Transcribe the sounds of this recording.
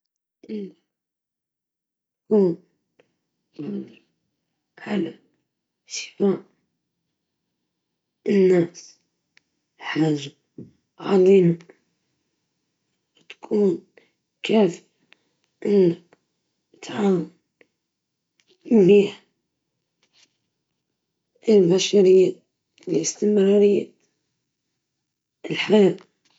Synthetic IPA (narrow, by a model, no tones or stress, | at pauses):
ʔəlːa | t̪ | kuːn | jʊd̪i | ʕala | sə̥waʔ | ənːæs | ħaːʒːa | ʕɑd̪ˤima | t̪ḁkʰuːn | kaːf | ʔɪlːa | t̪ʕaːmal | mbiːħ | ʔɪlbaʃaɾɪjːa | lɪʔɪst̪ɪmɾˤɑːɾɪjːa̰ | lħajaːʔ